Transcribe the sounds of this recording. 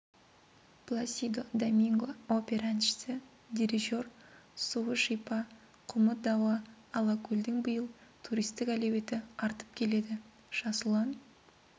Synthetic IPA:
plˠasʲijd̪od̪amʲiŋɡoopʲe̞ɾanʃɪ̥sɪ | d̪ʲiɾʲiʒo̞rsuwəʃijpɑ | qʰʊməd̪ɑwɑː | lˠɑkʰuld̪ɪŋbəjəlˠt̪ʰuɾijst̪ɪkælewe̞t̪ɪɑɾt̪ə̥p̚kʲʰe̞le̞d̪ɪ | ʒ̥ɑsəlˠɑn

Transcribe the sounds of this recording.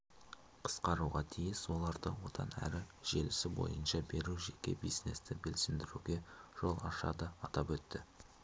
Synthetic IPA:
qʰə̥sqɑɾuʁɑt̪ʰijɪswo̞lˠɑɾd̪əwo̞t̪ɑ̰næ̰ɾɪʒ̥e̞lɪsɪbo̞̰jənʃɑbe̞ɾuʒekʲe̞̰bijzne̞st̪ɪbelsɪmd̪ɪɾuɡʲe̞ʒ̥o̞lˠɑʃɑ̰d̪əɑt̪ɑpwɵt̪ːɪ

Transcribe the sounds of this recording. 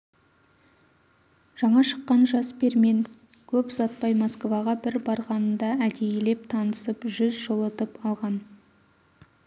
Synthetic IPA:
ʒ̥ɑɴɑʃə̥qːɑnʒɑsbe̞ɾme̞ŋ | kʲʰɵpzɑt̪̚pɑjmoskvɑʁɑbɪɾbɑɾʁɑnənd̪ɑæd̪ejɪle̞p̚t̪ʰɑnəsəpʒʏzʒolˠət̪əpɑlˠʁɑn

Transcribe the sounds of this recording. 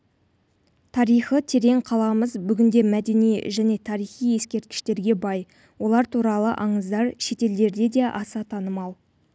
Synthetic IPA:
t̪ʰɑɾijχət̪ʰe̞ɾe̞ŋqʰɑlˠɑməzbʏɡʲɪnd̪e̞mæd̪e̞nijʒæne̞t̪ʰɑɾijχije̞skʲe̞ɾt̪̚kʲɪ̥ʃt̪e̞ɾɡʲe̞bɑj | wo̞lˠɑɾt̪ʰuɾɑlˠə̰ʔɑɴəzd̪ɑɾʃe̞t̪e̞ld̪e̞ɾd̪e̞d̪e̞ʔɑsɑt̪ʰɑnəmɑlˠ

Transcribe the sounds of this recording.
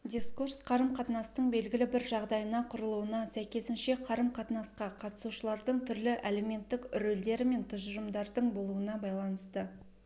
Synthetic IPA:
d̪ʲiskursqʰɑɾəmqʰɑt̪nɑst̪əɴbe̞lɡʲɪlɪbɪɾʒɑʁd̪ɑjənɑqʰʊɾəlˠuwənɑsæjkʲe̞sɪnʃe̞qʰɑɾəmqʰɑt̪nɑsqɑqʰɑt̪ə̥suʃəlˠɑɾd̪əɴt̪ʰʏɾlɪʔeleme̞nt̪ːɪkʏɾɵld̪e̞ɾɪme̞nt̪ʰʊʒəɾəmd̪ɑɾd̪əɴbo̞lˠuənɑbɑjlˠɑnəst̪ə

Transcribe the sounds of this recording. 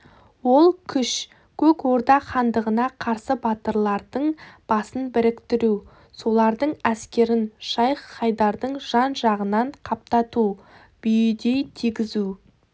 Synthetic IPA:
wo̞lˠkʲʰʏʃ | kʲʰɵkwo̞ɾd̪ɑχɑnd̪əʁənɑqʰɑɾsəbɑt̪əɾlˠɑɾd̪əɴb̥ɑsənbɪɾɪkt̪ɪɾu | so̞lˠɑɾd̪əɴæskʲe̞ɾɪnʃɑjɑjd̪ɑɾd̪əɴʒ̥ɑnʒɑʁənɑɴqʰɑp̚t̪ɑt̪u | b̥ʏjɪd̪e̞jt̪ʰiɡʲɪzu

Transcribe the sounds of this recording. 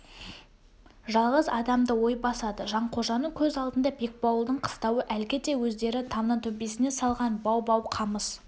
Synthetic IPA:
ʒɑlˠʁəzɑd̪ɑmd̪əwo̞jbɑsɑd̪əʒɑɴqʰo̞ʒɑnəɴkʲʰɵzɑlˠd̪ənd̪ɑbe̞k̚bɑwəlˠd̪əɴqʰə̥st̪ɑwəʔælkʲɪd̪e̞wɵzd̪e̞ɾɪt̪ʰɑmnənt̪ʰɵpe̞sɪne̞sɑlˠʁɑnbɑwbɑwqʰɑməs

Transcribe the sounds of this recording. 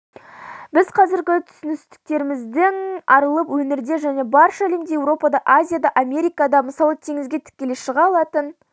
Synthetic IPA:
bɪzqʰɑzɪɾɡʲɪt̪ʰʏ̥sʏnɪst̪ɪ̥k̚t̪e̞ɾɪmɪzd̪ɪŋɑɾəlˠəpwɵneɾd̪e̞ʒæne̞bɑɾʃalʲemd̪ejewɾo̞pɑd̪ɑʔazʲijad̪ɑʔamʲe̞ɾijkad̪ɑməsɑlˠət̪ʰeŋɪzɡʲe̞t̪ʰɪ̥kʲːe̞leʃəʁɑlˠɑt̪ən

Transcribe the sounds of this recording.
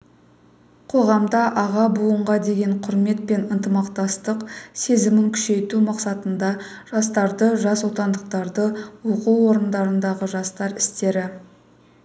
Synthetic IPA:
qʰo̞ʁɑmd̪ɑʔɑʁɑbuəɴʁɑd̪e̞ɡʲe̞ɴqʰʊɾme̞t̪̚pe̞nənt̪əmɑqt̪ɑst̪əqse̞zɪmɪŋkʲʰʏ̥ʃe̞jt̪umɑqsɑt̪ənd̪ɑ | ʒ̥ɑst̪ɑɾd̪əʒɑswo̞t̪ɑnd̪əqt̪ɑɾd̪əwo̞quwo̞ɾənd̪ɑɾənd̪ɑʁəʒɑst̪ɑɾɪst̪e̞ɾɪ

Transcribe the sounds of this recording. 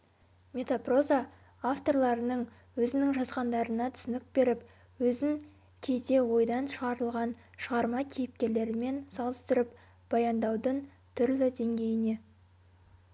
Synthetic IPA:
mʲe̞t̪apro̞za | aft̪o̞rlˠɑɾənəɴ | wɵzɪnɪŋʒɑzʁɑnd̪ɑɾənɑt̪ʰʏ̥sɪnɪk̚be̞ɾɪp | wɵzɪŋ | kʲʰe̞jt̪e̞wo̞jd̪ɑnʃəʁɑɾəlˠʁɑn | ʃəʁɑɾmɑkʲʰejɪp̚kʲe̞ɾle̞ɾɪme̞nsɑlˠəst̪əɾəp | b̥ɑjɑnd̪ɑwd̪əɴ | t̪ʰʏɾlɪd̪e̞ŋɡʲe̞jɪne̞

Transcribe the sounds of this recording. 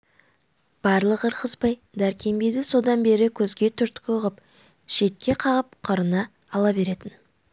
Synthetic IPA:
b̥ɑɾlˠəqəɾqʰəspɑj | d̪æɾkʲʰe̞mbe̞jd̪ɪso̞d̪ɑnbe̞ɾɪkʲʰɵzɡʲe̞t̪ʰʏɾt̪kʲɪʊʁəp | ʃe̞t̪̚kʲe̞qʰɑʁəp̚qʰəɾənɑː | lˠɑbe̞ɾe̞t̪ɪn

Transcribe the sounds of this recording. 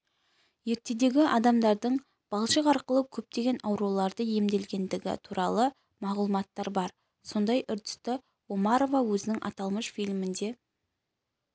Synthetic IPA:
je̞ɾt̪e̞d̪e̞ɡʲɪʔɑd̪ɑmd̪ɑɾd̪əɴ | b̥ɑlˠʃəqɑɾqəlˠəkʲʰɵp̚t̪e̞ɡʲe̞nɑwɾuwlˠɑɾd̪əje̞md̪e̞lɡʲe̞nd̪ɪɡʲɪ̰t̪ʰuɾɑlˠə | mɑʁlˠumɑt̪ːɑɾbɑɾ | so̞nd̪ɑjʔʏɾd̪ɪ̥st̪ɪ | wo̞mɑɾo̞vawɵzɪnɪŋʔɑ̰t̪ɑlˠməʃfijlʲmɪnd̪e̞

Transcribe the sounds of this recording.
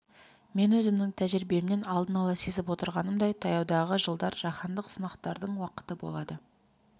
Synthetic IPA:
me̞nɵzɪmnɪŋt̪ʰæʒɪɾbe̞mne̞nɑlˠd̪ənɑlˠɑse̞zɪpwo̞t̪əɾʁɑnəmd̪ɑjt̪ʰɑjɑwd̪ɑʁəʒəlˠd̪ɑɾʒɑχɑnd̪əqsənɑqt̪ɑɾd̪əɴwɑqə̥t̪əbo̞̰lˠɑd̪ə

